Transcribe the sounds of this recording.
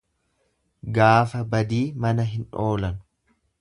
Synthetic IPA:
ɡaːfɐbɐd̪iːmɐnɐɦɪnoːlɐn

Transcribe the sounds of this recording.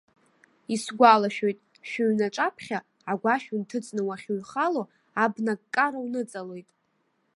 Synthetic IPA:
isɡʷalaʃᶣo̞jtʼ | ʃᶣaɥnaʈ͡ʂʼapʰχʲa | aɡʷaʃᶣuntʰɨt͡sʼnɨwaχʲuɥχalo̞ | abnakʼkʼːaɾawnɨt͡sʼalo̞jtʼ

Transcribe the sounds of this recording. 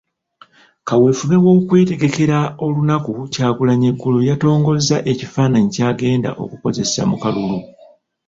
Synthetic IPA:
kawe̞ːfuβe̞wo̞ːkwe̞ːte̞ɡe̞ke̞ɾao̞lunakucaːɡulaɲeɡːulojato̞ːŋɡo̞zːaʔe̞cifaːnaɲicaːɡe̞ːnda̰ʔo̞̰kuko̞ze̞sa̰mukalulu

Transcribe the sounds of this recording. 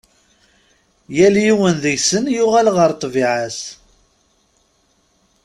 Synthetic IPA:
jæljiwənðəjsənjʊʁælʁəɾt̪ˤviʕas

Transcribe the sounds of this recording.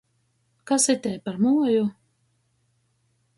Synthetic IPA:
kasit̪ʲɛpaɾmuɔju

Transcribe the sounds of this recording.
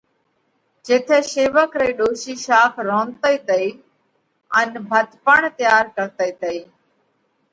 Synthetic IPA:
d͡ʒet̪ʰɛːseːʋəkɾəiːɗoːʃiːʃaːkʰɾõːnt̪əiːt̪əiː | ənbʱət̪pəɳt̪ɪjaːɾkəɾt̪əiːt̪əiː

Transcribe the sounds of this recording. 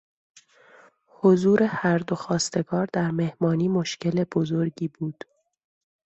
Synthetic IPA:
ho̞zuːɾe̞hæɾd̪o̞xɒːst̪e̞ɡɒːɾd̪æɾme̞hmɒːniːmoʃce̞le̞bo̞zo̞ɾɟiːbuːd̪̥

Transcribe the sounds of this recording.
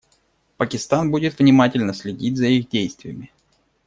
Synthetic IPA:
pəkʲɪst̪anbudʲɪt̪vnʲɪmatʲɪlʲnəsʲlʲɪdʲit̚ʲzəiɣdʲejst̪vʲɪjəmʲɪ

